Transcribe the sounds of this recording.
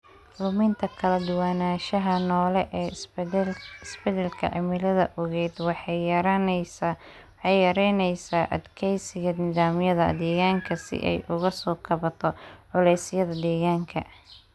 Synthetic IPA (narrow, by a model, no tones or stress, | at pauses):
lʊmɪnt̪ʰɐkʰɐlɐd̪ʊwaːnaːʃɐɦɐnɔːlɛʔɛː | ɪsbɛðɛlkʰɐ̰ʕɪmɪlɐðɐ̰ʔɔɣɛːd̪wɑɾ | ɛjjɐɾɛnɛjsaːʔɐd̪kʰɛjsɪɣɐnɪðaːmjɐðɐ̰d̪ɛːɣaːŋkʰɐsɪ̰ʔɛ̰jʔʊɣɐsɔːkʰɐβɐt̪ʰɔʕʊlɛjsɪjɐðɐd̪ɛːɣaːŋkʰɐ